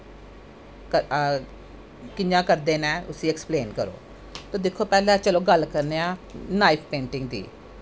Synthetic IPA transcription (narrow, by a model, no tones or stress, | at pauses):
kə | kɪɲãːkəɾd̪eːnɛ̃ːʊsiːɛkspleːnkəɾo̰ː | t̪oːd̪ekʰːoːpɛːlɛ̃ːt͡ʃəloːɡəlːkəɾneːãːnaːipʰpẽːɳʈɪ̃ŋɡ̚d̪ḭː